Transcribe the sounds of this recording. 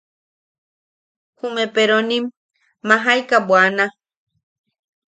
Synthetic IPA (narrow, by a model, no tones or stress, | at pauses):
humẽpeɾõnĩmː | ãɦajkabwanã